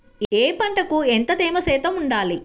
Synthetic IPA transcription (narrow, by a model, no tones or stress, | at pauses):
eːpɐɳʈɐkuent̪ɐt̪eːmɐsɛːt̪ɐmuɳɖaːli